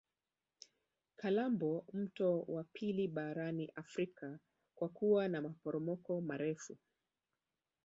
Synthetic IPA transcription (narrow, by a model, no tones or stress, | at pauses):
kʰalambɔm̩tɔwapʰiliɓaɾaniʔafɾika | kwakuwanamapɔɾɔmɔkɔmaɾɛfu